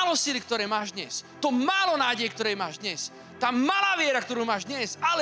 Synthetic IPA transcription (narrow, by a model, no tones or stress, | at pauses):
alɔsilik̚t̪ɔɾɛːmaːʒd̪ɲɛst̪ɔmaːlɔnaːɟɛjk̚t̪ɔɾɛːjmaːʒd̪ɲɛs | t̪aːmalaːʋɪɛɾakt̪ɔɾuːmaːʒd̪ɲɛsalɛ